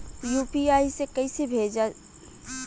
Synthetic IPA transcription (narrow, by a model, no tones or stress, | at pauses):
juːpiaːisekɐisebʱeːd͡ʒa